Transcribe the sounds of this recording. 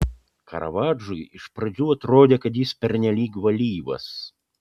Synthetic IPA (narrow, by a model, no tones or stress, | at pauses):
kɐ̰ɾʔɐ̰ʋad͡ʒʊjiʃpɾɐd͡zʲuɐt̪ɾɔd̪ʲɛkɐt̪jispʲɛɾnʲɛlʲiːɡʋɐlʲiːʋɐ̰s